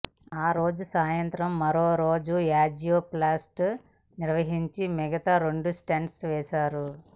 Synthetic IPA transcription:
aːɾo̞ːd͡ʒusaːjɐnt̪ɾɐmːɐɾoːɾoːd͡ʒujaːd͡ʒijoːplaːsʈ | niɾʋɐɦiɲt͡ʃimɛɡɐt̪aɾeɳɖusʈeɳɖsʋɛːʃaːɾu

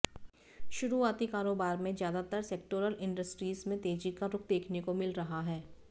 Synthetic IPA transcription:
ʃʊɾuaːt̪ikaːɾoːbaːɾmẽzjaːd̪at̪əɾseːk̚ʈoːɾəlɪ̃ɳɖəsʈɾiːzmẽt̪eːd͡ʒikaɾʊk̚d̪eːkʰnekomɪlɾɐɦaɦɛː

